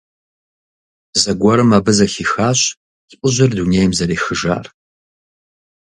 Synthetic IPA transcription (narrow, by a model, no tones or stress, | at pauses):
zɐɡʷɔɾɨmaːbɨzɐxiːxaːɕʷʼ | ʊʑɪrduneːjmzɐɾeːxɨʒa̰ːr